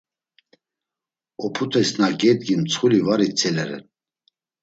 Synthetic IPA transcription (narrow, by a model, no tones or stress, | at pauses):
ɔpʰut̪ʰʼɛsnaɡɛd̪̚ɡimt͡sʰχulivaɾit͡sʰʼɛlɛɾɛ̰n